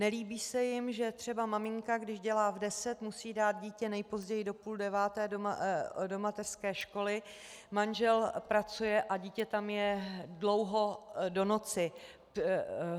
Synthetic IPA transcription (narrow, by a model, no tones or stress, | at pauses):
nɛliːbiːsɛjɪmʒɛt̪r̝̥ɛbamamɪŋkaɡdɪʒɟɛlaːvdɛsɛt̪musiːdaːt̪̚ɟiːcɛnɛjpo̞zɟɛjɪdo̞puːldɛvaːt̪ɛː | do̞mat̪ɛr̥skɛːʃko̞lɪ | manʒɛlpɾat͡sujɛʔaɟiːcɛt̪amjɛdlo̞wɦodo̞no̞t͡sɪ